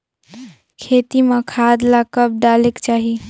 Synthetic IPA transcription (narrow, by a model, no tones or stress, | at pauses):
kʰet̪imãkʰad̪lakəp̚ɖaːlekt͡ʃaːɦi